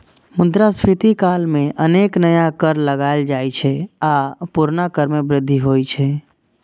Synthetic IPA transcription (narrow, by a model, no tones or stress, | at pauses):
mʊnd̪ɾaspʰit̪ikalmẽʔəneknəjakəɾləɡaɪld͡ʒajt͡ʃʰɛapuɾnakəɾmebɾɪd̪ʱːiɦojt͡ʃʰɛ